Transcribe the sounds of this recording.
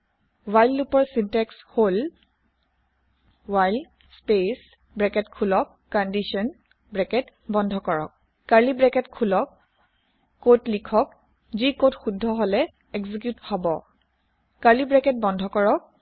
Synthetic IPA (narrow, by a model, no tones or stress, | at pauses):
wajlːupɔɹsintɛkshol | wajl | spes | bɹɛkɛtkʰulɔkːɔndisɔn | bɹɛkɛtbɔndʱɔkɔɹɔ̰k̚ː | alibɹɛkɛtkʰulɔkː | otlikʰɔk | zikotxudʱːɔɦolɛ | ɛkzikjuthɔbɔ̰ | kalibɹɛkɛt̚bɔndʱɔkɔɹɔk̚